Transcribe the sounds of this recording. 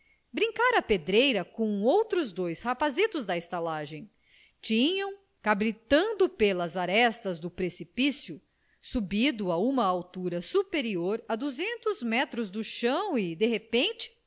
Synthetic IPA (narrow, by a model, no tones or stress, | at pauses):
bɾĩŋkaɾɐped̪ɾejɾɐkõowt̪ɾʊzd̪ojshapazit̪ʊzd̪ɐest̪alaʒẽj̃ | t͡ʃĩɲɐ̃w̃ | kabɾit̪ɐ̃nd̪ʊpelɐzaɾɛst̪ɐzd̪ʊpɾesipisjʊ | subid̪ʊaũmɐawt̪uɾɐsupeɾioɾɐd̪uzẽnt̪ʊzmɛt̪ɾʊzd̪ʊʃɐ̃w̃id̪eɦepẽnt͡ʃɪ̥